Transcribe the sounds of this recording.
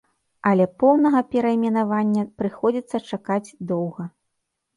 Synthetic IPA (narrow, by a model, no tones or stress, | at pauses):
ɐlʲɛpɔwnɐɣɐpʲɛɾɐimʲɛnavanʲːɐpɾɨxɔd͡zʲit̪sːɐt͡ʂakad͡zʲd̪ɔwɣɐ